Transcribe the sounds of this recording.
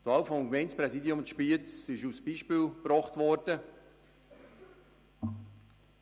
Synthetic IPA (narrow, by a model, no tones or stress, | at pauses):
t̪ɑwfɔmɡmɛɪnt͡sprɛsiːdiʊmʃpit͡sɪʃusb̥iːʃpiːlbrɔχtvɔɾd̥ə